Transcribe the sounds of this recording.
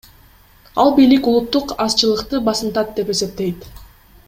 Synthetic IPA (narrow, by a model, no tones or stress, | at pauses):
ɑlˠbijlikulˠut̪ːuqɑst͡ʃɯlˠɯqt̪ɯbɑsɯnt̪ɑt̪̚d̪e̞pe̞se̞p̚t̪e̞jt̪